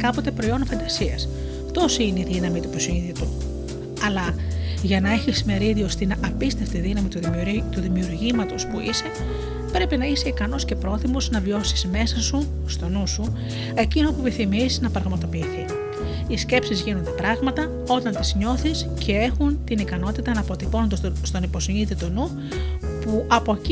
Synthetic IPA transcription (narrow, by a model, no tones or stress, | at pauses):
kɐpo̞t̪e̞pɾo̞io̞nfɐnd̪ɐsiɐs | t̪o̞sineiðinɐmit̪upɾosinðit̪u | ɐlɐʝɐnɐe̞çisme̞ɾiðio̞st̪inɐpist̪e̞ft̪iðinɐmit̪ut̪uðimiuɾʝimɐt̪o̞spuise̞ | pɾe̞pinɐise̞ikɐno̞sce̞pɾo̞θimo̞znɐvio̞siz̥me̞sɐsu | st̪o̞nusu | e̞cino̞pupiθimisiznɐpɾɐɣmɐt̪o̞piiːθi | isce̞psizʝinond̪e̞pɾɐɣmɐt̪ɐ | o̞t̪ɐnt̪izɲo̞θiscʰe̞exunt̪inikɐno̞t̪it̪ɐnɐpo̞t̪ipo̞nond̪ost̪o̞nipo̞siɲit̪it̪onu | puʔɐpo̞ci